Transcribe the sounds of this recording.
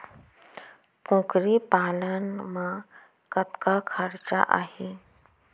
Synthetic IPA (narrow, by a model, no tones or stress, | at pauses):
kõːkɾipaːlənmã | kət̪kakʰəɾt͡ɕa̰ʔa̰ːɦe